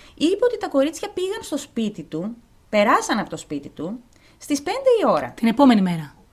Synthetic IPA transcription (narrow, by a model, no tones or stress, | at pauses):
ipe̞o̞t̪it̪ɐko̞ɾit͡sçɐpiɣɐnst̪o̞spit̪it̪u | pe̞ɾɐsɐnɐpo̞t̪o̞spit̪it̪u | st̪ispe̞nd̪e̞io̞ɾɐ̰t̪ine̞po̞me̞nime̞ɾɐ